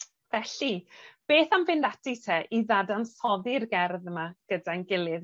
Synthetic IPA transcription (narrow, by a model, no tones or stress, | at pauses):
v̥ɛɬib̥eːθamvɪndatitʰɛʔiðadansɔðɪrɡɛrðəmaɡ̥ədanɡɪlˠɨð